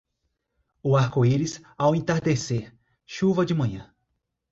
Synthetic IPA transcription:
ʊaɾkoiɾɪzawẽnt̪aɾd̪eseɾ | ʃuvɐd͡ʒɪmɐ̃ɲɐ̃

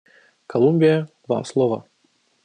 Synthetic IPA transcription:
kɐlˠumʲbʲijɐ | va̰slˠɔvɐ̰

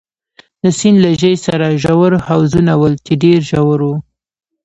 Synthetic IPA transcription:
d̪əsinlaʒəjsaɾaʒawəɾhawzunawəlt͡ʃeɖeɾʒawəɾwu

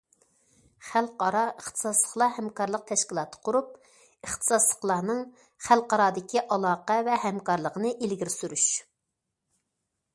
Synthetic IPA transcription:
χælˠqɑɾɑəχt̪ʰə̥ɨ̥sɑslˠəχlˠɑhɛmkɑɾlˠəq̚t̪ʰɛʃkʲilˠɑːt̪ʰə̥qʰʊɾup̚ | əχt̪ʰɨ̥sɑslˠə̥χlˠɑːnɨŋ | χælˠqɑɾɑːd̪ɪkʲʰiʔɑlˠɑːqɛvɛhɛmkɑɾlˠəqənɨʔelɡʲiɾɪsyɾyʃ

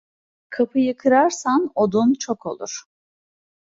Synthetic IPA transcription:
kʰapʰɯjɯkʰɯɾaɾsano̞d̪unt͡ʃʰo̞kʰo̞̰lˠṵɾ̥

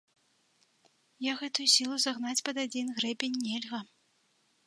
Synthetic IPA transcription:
jaɣɛt̪ujusʲilˠuzaɣnat͡sʲpɐd̪ad͡zʲinɣɾɛbʲenʲːɛlʲɣɐ

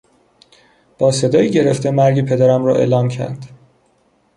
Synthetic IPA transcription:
b̥ɒːse̞d̪ɒːjiːɟe̞ɾe̞ft̪emæɾɟipʰe̞d̪æɾæmɾɒ̰ːʔḛːlɒːmcʰæ̰ɾd̪̥

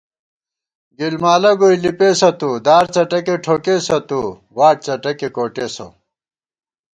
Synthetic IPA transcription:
ɡilmaːlɐɡoilipeːsɐt̪ud̪aːɾt͡sɐʈɐkeʈʰoːkesɐt̪u | waːʈ̚t͡sɐʈɐkekoːʈeːso̰

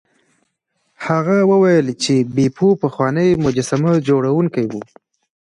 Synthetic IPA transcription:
haɣawəwajəlt͡ʃebepʰupəxwɑnəjmʊd͡ʒasamad͡ʒoɽawuŋkajwu

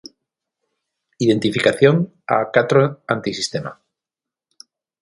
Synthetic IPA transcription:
iðe̞nt̪ifikaθjoŋ | a̰kat̪ɾoant̪isist̪e̞ma̰

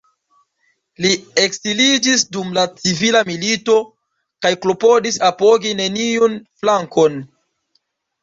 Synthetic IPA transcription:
lieksilid͡ʒisdumlat͡sivilamilito̞ | kajklo̞po̞disapo̞ɡine̞niunflaŋko̞n

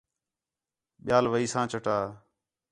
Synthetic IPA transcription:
ɓɪjaːlʋəiːsãːt͡ʃəʈaː

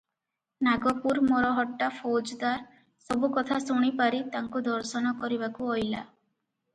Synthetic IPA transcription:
naɡɔpuɾmɔɾɔɦɔʈːapʰod͡ʒd̪aɾ | sɔbukɔt̪ʰasuɽ̃ipaɾit̪aŋkud̪ʱɔɾsɔnɔkɔɾibakuɔjla̰

